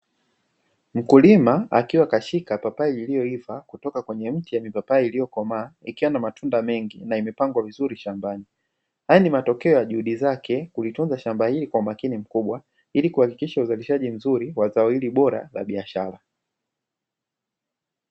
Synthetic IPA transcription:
m̩kulimaakiwakaʃikapapaɛilijɔivakutɔkakwɛɲɛm̩tijamipapaɛilijɔkɔmaːikiwanamatʰundamɛŋɡḭnaimɛpaŋɡwavizuɾiʃambani | hajanimatɔkɛɔjaʄuhuɗizakɛkulitunzaʃambahilikwaumakinim̩kuɓwa | ilikuhakikiʃauzaliʃaʄim̩zuɾiwazaɔhiliɓɔɾa̰la̰ɓiaʃaɾa

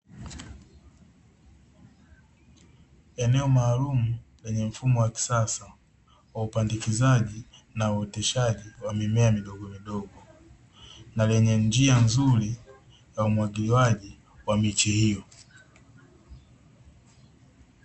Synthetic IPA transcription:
ɛnɛɔmaːlumulɛɲɛm̩fumɔwaki̥sasa | waupandikizaʄinauɛtɛʃaʄiwamimɛamiɗɔɡɔmiɗɔɡɔ | nalɛɲɛnd͡ʒianzuɾi | jaumwaɡiliwaʄi | wamit͡ʃihijɔ

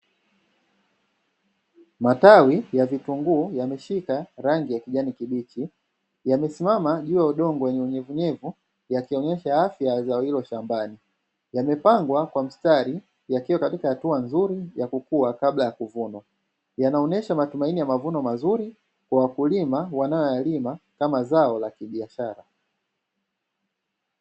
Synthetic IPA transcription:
matawijavituŋɡuːjamɛʃikaɾaŋɡijakiʄanikiɓit͡ʃi | jamɛsimamaʄuːjauɗɔŋɡɔwɛɲɛuɲɛvuɲɛvu | jakiɔɲɛʃaafjazaɔhilɔʃambani | jamɛpaŋɡwakwam̩staɾi | jakiwakatikahatuanzuɾijakukuakaɓlajakuvunwa | janaɔnɛʃamatumainijamavunɔmazuɾi | kwawakulimawanajɔjalimakamazaɔlakiɓiaʃaɾa

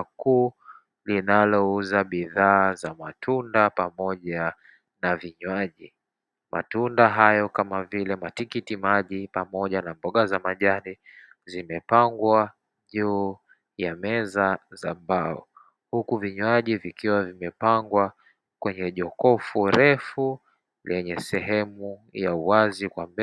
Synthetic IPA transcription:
kuː | linalɔuzaɓiðaːzamatʰundapamɔʄa | naviɲwaʄi | mʔa̰tundaɦajɔkamavilɛmatikitimaʄipamɔʄanambɔɠazamaʄaɾi | zimɛpaŋɡwa | ʄuː | jamɛzazambaɔ̰ | hukuviɲwaʄivikiwavimɛpaŋɡwa | kwɛɲɛʄɔkɔfuɾʔɛfu | lʔɛɲɛsɛɦɛmujauwazikwamb

